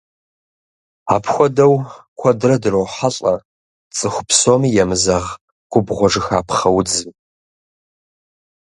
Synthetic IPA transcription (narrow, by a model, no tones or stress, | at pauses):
a̰ːpʰxʷɔdɐwkʷʰɔdrɐdɨrowħaɬʼɐ | t͡sʼɨxʷʊ̥pʰsomiːjɛmɨzɐʁ | qʷʼʊbʁʷɔʐɨxaːpχɐwd͡zɨm